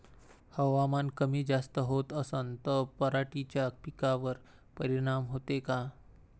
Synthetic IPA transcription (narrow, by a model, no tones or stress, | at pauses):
həʋamankəmiːd͡zast̪əɦot̪əsənt̪əpəɾaʈit͡ɕjapikaʋəɾ | pəɾiɽ̃amɦot̪eka